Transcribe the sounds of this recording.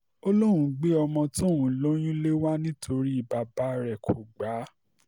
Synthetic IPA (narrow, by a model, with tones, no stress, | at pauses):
o˦lo˦ɾ̃ũ˨ɡ͡be˦ɔ˧mɔ̃˧tõ˦˨ɦũ˨lo˦j̃ĩ˦le˦wa˦nĩ˦tʰo˧ɾi˦i˦˨ba˨ba˦ɾɛ˨kʰo˨ɡ͡ba˨˦